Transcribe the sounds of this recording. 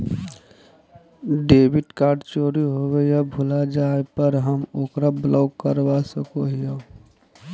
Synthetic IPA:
ɖeːbɪʈkaːɾɖt͡ʃoːɾiɦowejabʱʊlad͡ʒaːepəɾɦəmoːkɾablaːkːəɾʋasəkoɦija

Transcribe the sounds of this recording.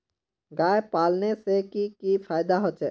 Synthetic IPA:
ɡaepalnesekikifajd̪aɦɔːt͡ʃʰe

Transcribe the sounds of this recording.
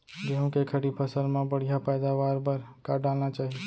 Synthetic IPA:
ɡeɦũkekʰəɽipʰəsəlmẽbəɽ̤ijapəjd̪aʋaɾbəɾkaɖalnat͡ʃaɦi

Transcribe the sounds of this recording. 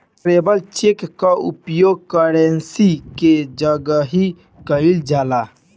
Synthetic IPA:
ʈɾeːbəlt͡ʃekːaʊ̰pjoːɡ̚kaɾensiked͡ʒəɡəɦi | kəild͡ʒaːlaː

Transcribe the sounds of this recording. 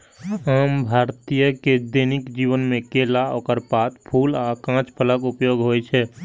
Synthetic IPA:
ɦəmbʱaːɾt̪ijəked̪eːnɪkd͡ʒiːʋənmẽkeːlao̰kəɾpaːt̪̚pʰuːlakãːt͡ʃpʰələkʊpjoːɡɦoːet͡ʃʰɛ

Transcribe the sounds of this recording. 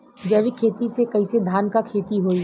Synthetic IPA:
d͡ʒɐʋikʰeːt̪isekɐised̪ʱaːnkakʰeːt̪iɦoːi

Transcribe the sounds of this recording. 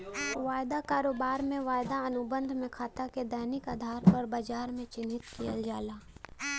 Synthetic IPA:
ʋaːjd̪akaːɾoːbaːɾmẽʋaːjd̪aənʊbə̃nd̪ʱmẽkʰaːt̪aked̪ɛːnɪkaːd̪ʱaːɾpɐɾbad͡ʒaːɾmẽt͡ʃɪnɪt̪kijə̰ld͡ʒaːlaː

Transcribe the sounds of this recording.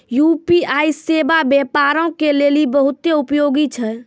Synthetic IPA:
jupiaisebabjepaɾõkelelibəɦut̪ːeupjoɡit͡ʃʰɛ

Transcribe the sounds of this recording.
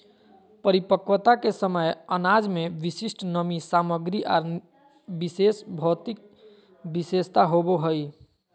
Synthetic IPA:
pəɾipəkʋət̪akesəməjənad͡ʒmeʋisisʈʰnəmisaməɡɾiʔa̰ɾ | bisesbʱɔt̪ik̚ | bisest̪aɦoboɦəj

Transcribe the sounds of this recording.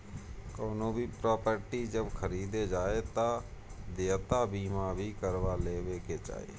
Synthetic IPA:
koːnõːbʱiːpɾɔːpəɾʈiːd͡ʒəbkʰəɾiːd̪eːd͡ʒaːeːt̪ãː | d̪eːt̪aːbiːmãːbʱiːkəɾʋaːleːʋeːkeːt͡ʃa̰ːḛː

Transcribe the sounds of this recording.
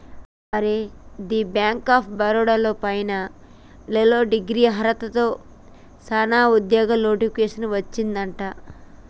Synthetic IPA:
ɐɾed̪iːbjaːŋkaːpʰbɐɾoːɽaloːpɐjnɐ | leloːɖiɡɾiːɦɐɾɐt̪ɐt̪o̞ː | sɐnaːud̪jɔːɡɐmno̞ːʈipikeːʂɐnʋɐt͡ʃːind̪ɐɳʈaː

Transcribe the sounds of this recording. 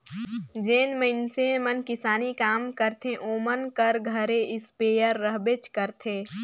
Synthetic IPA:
d͡ʒeːnməɪnsẽmənkɪsaːnikaːmkəɾt̪ʰẽʔoːmənkəɾɡʱəɾeɪspeːjəɾːəɦbet͡ʃkəɾt̪ʰeː

